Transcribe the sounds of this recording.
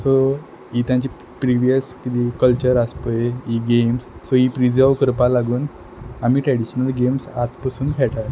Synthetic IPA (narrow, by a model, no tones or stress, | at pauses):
so | it̪jãɲt͡ɕi | pɾiʋijəskit̪ikəlt͡ɕəɾaspəjiɡemsːoipɾid͡zəɾʋkəɾpalaɡuːn | amiːʈɾɛɽiɕənəlɡemsat̪pəsuːnɡʰʱɛʈaɾ